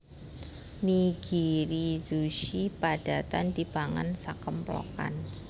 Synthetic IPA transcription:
niɡ̥iɾizuʃipad̥a̤t̪andibaŋa̰nsakəmplo̰ka̰n

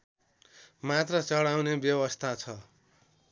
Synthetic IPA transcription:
mat̪rʌt͡sʌɽawnebjʌwʌst̪ʰat͡sʰʌ

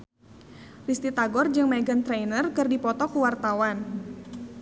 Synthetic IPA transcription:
rist̪it̪aɡɔrd͡ʒɨŋmaɡant̪ɾejnərkɨrdipɔt̪ɔkuwart̪awan

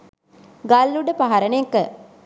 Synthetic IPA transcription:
ɡalːuɖəpaɦaɾənekə

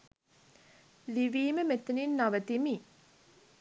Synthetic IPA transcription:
liʋiːməmet̪eninːaʋət̪imi

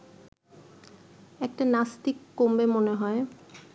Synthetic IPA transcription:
ɛk̚ʈanast̪ikːombemoneɦɔe

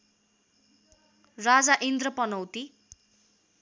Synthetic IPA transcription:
rad͡zaʔind̪rʌpʌnʌwt̪i

